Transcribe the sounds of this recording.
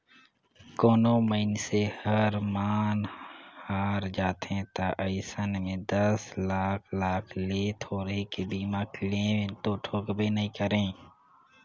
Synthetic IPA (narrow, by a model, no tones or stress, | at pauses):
koːnõməɪnsehəɾmaːnhaːɾd͡ʒaːt̪ɦẽt̪aʔəɪsənmẽd̪əslaːkʰlaːkʰlet̪ʰoːɾɦekebiːmakɪlẽt̪oʈʰoːkbenəɦĩkəɾẽː